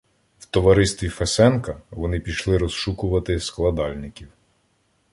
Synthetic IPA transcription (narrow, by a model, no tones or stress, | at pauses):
wt̪ɔʋɐɾɪst̪ʲʋʲifɛsɛnkɐʋɔnɪpʲijʃlˠɪɾɔsʃukʊʋɐt̪ɪsklˠɐd̪ɑlʲnɪkʲiw